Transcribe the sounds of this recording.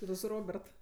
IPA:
tʲɪ ˈtʊ sʊ ˈroːbʲɛrt

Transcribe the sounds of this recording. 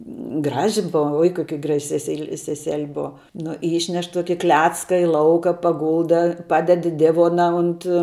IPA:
ˈɡrɑːʒʲɪ ˈboːʋɐ oːɪ ˈkoːkʲɪ ɡrɐʃʲ sʲɛˈsʲɛɪlʲɪ sʲɛsʲɛlʲ ˈboːʋɐ ˈnʊ ˈiːʃʲnʲɛʃ ˈtuɔkʲɪ ˈklʲæːt͡skɐ ɪ ˈlˠɐʊkɐ pɐˈɡʊlˠdɐ ˈpɑːdʲɛt ɪ ˈdʲɪʋoːnɐ ʊnt

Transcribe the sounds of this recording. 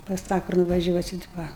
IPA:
pɐs ˈtɑː kʊr nʊʋɐˈʒʲuɔsʲɪt ʋɐ

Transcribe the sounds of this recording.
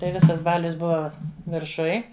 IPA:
tɐɪ ˈʋʲɪsɐs ˈbɑːlʲʊs ˈbʊʋɐ ʋʲɪrˈʃʊj

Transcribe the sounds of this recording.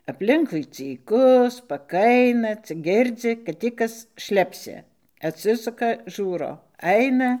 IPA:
ɐpʲˈlʲɪŋkʊɪ t͡sʲiːˈkʊ spɐˈkɐɪnɐ t͡sʲɪk ˈɡʲɪrʲd͡zʲɪ kɐt ˈtʲiː ˈkɐs ˈʃʲlʲæːpʲsʲɪ ɐtʲˈsʲɪsʊkɐ ˈʒuːroː ˈɐɪnɐ

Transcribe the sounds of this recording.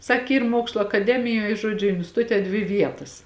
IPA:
ˈsɐk ˈiːr ˈmuɔkslˠʊ ɐkɐˈdʲæːmʲɪjoːj ˈʒuɔd͡ʒʲʊ ɪnʲsʲtʲɪˈtʊtʲɛ dʲʋʲɪ ˈʋʲiɛtɐs

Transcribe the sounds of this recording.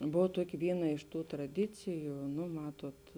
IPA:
ˈboːw ˈtuɔkʲɪ ˈʋʲiːˌnɐ ɪʃ ˈtuː trɐˈdʲɪt͡sʲɪjʊ nʊ ˈmɑːtoːt

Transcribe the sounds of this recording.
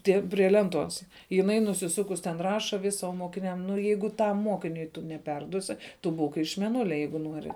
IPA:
ˈtʲiɛ pʲrʲiɛ ˈlʲɛnˌtuɔs jɪˈnɐɪ nʊsʲɪˈsʊkʊs tʲɛn ˈrɑːʃɐ ʋʲɪs oː moːkʲɪˈnʲɛm nʊ ˈjɛɪɡʊ ˈtɐm ˈmoːkʲɪnʲʊɪ tʊ nʲɛˈpʲɛrduɔsʲɪ ˈtʊ ˈbuːk ɪʃ mʲɛˈnʊlʲɛ ˈjɛɪɡʊ ˈnuɔrʲɪ

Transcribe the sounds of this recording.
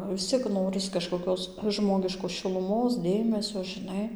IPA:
ʋʲɪs ˈt͡sʲiɛk ˈnoːrʲɪs kɐʃkoːˈkʲoːs ˈʒmoːɡʲɪʃkoːs ʃʲɪlˠʊˈmoːs ˈdʲeːmʲɛsʲoː ʒʲɪˈnɐɪ

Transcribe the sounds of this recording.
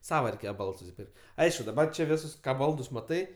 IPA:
ˈsɑːʋɐ rʲɛɪˈkʲeːjɛ ˈbɐlˠts sʊsʲɪˈpʲɪrʲkʲtʲ ˈɐɪʃkʊ dɐˈbɐr t͡ʃʲɛ ˈʋʲɪsʊs ˈkɑː ˈbɐlˠdʊs mɐˈtɐɪ

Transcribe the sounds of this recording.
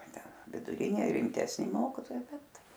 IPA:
ʋʲɪdʊˈrʲɪnʲeː rʲɪmʲtʲɛsʲˈnʲɪ ˈmoːkʲiːtoːjɛɪ ˈbʲɛt

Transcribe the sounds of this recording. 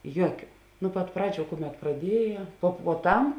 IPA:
ˈjuɔkʲʊ nʊ pɐt ˈprɑːˌd͡ʒʲuː ˈkʊˌmʲɛt prɐˈdʲiɛjɛ poː puɔˈtɐm

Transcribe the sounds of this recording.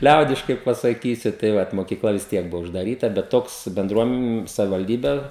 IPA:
ˈlʲɛʊdʲɪʃkɐɪ pɐsɐˈkʲiːsʲʊ tɐɪ ˈʋɐt moːkʲiːˈklˠɐ ʋʲɪs ˈtʲiɛk ˈbʊʋoː ʊʒdɐˈrʲiːtɐ bʲɛt ˈtoːks bʲɛnˈdruɔm sɐʋʲɪʋɐlʲˈdʲiːbʲɛ

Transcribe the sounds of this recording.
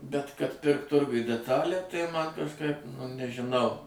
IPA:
bʲɛt kɐt ˈpʲɪrkt ˈtʊrɡʊj dʲɛˈtɑːlʲæː tɐɪ ˈmɐn kɐʃˈkɐɪp nʊ nʲɛʒʲɪˈnɐʊ

